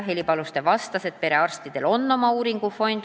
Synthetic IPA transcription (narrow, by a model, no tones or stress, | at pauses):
ɦelʲipɑlust̪e̞vɑst̪ɑse̞d̪̚pe̞ɾe̞ɑrst̪id̪̥e̞lo̞nːo̞mɑuːɾiŋɡ̥ufo̞nʲd̪̥